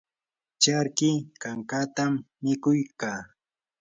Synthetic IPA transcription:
t͡ʃaɾkɪkaŋkaːt̪amːɪkʊjkaː

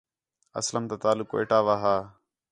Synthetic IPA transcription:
ə̰sləmt̪aːt̪aːlʊkoḛːʈaːʋaːɦaː

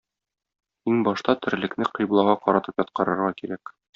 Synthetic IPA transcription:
iŋbɒʃt̪ɑt̪ɘ̆ɾlɘ̆knɘqɤ̆jblˠɑʁɑqɒɾɑt̪ɤpjɒt̪̚qɤ̆ɾɤ̆ɾʁɑkiɾæk

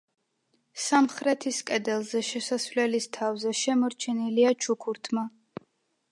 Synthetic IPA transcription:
samχɾɛt̪ʰiskʼɛd̪ɛlˠzɛʃɛsasvlɛlist̪ʰavzɛʃɛmɔɾt͡ʃʰɛniliat͡ʃʰukʰuɾt̪ʰma

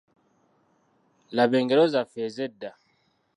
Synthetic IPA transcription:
labɛŋɡɛlɔzafezɛda

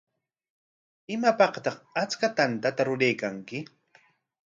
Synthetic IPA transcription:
ɪmapɑqt̪ɑχat͡skat̪ant̪at̪aɾʊɾejkaŋkɪ

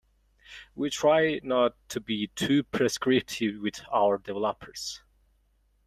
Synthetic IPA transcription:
witʰɹ̥aɪnətʰːɨbitʰʉpʰɹ̥ɛskɹɪp̚tʰɪvwɪðaʊə˞dɛvɛlɔpʰə˞z̥

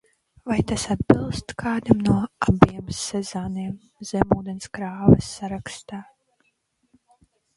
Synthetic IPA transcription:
vajt̪asad̪̚bilˠst̪kʰaːd̪amnuɔabiɛmsɛzoːniɛm | z̥ɛmuːd̪ɛnskɾaːvɛsːaɾakst̪aː

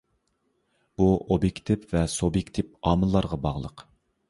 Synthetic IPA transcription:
b̥uobjekʲt̪ʰɪpvɛsobjekʲt̪ʰɪp̚ɑːmɨlˠːɑɾʁɑbɑʁlˠə̰q

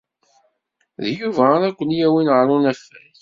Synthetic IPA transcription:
ðjuvæɾækʷːənjæwinəʕɾˤunæfːæθ

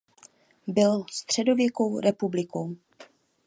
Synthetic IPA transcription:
bɪlst̪r̝̥ɛdo̞vjɛko̞wɾʔɛpublɪkow

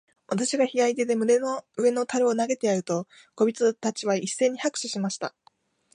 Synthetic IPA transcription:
βat̪aɕiɡaçijait̪e̞d̪e̞mɯ̟d̪enoɯ̟e̞no̞t̪aɾɯ̟onaɡe̞t̪e̞jaɯ̟t̪o̞ | ɡ̥o̞bʲit͡sɨt̪at͡ɕiβaisːe̞ːɲ̟ːihakɯ̟̥ɕiɕimaɕi̥t̪a

